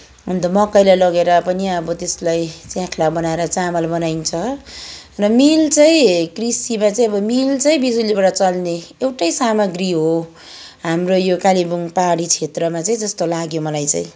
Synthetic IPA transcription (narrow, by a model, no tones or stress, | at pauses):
ɦund̪ʌmʌkʌjlajlʌɡeɾʌpʌniʌbʌt̪eslajt͡sjãkʰlabʌnaeɾʌt͡samʌlbʌnajnt͡sʰʌ | rʌmilt͡sʌĩkrisimat͡saj̃ʌbʌmilt͡sʌĩbid͡zulibaɽʌt͡sʌlneewʈʌjsamʌɡriɦo | ɦamrojokalibuŋpaɽit͡sʰet̪rʌmat͡saĩd͡zʌst̪olaɡjomʌlajt͡sa̰ĩ